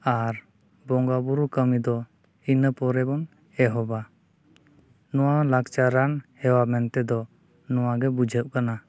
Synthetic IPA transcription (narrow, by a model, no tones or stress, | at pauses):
aɾ | bɔŋɡabuɾukəmid̪ɔ | inəpɔɾɛbɔn | ɛɦɔba | nɔwalakt͡ʃaɾanhɛwamɛnt̪ɛd̪ɔ | nɔwaɡɛbud͡ʒʱəʔ̚kana